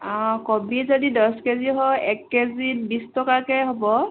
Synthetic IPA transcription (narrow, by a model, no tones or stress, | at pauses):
ɔ̃kobizodidɔskeziɦɔɛkːezitbistɔkakɛɦobɔ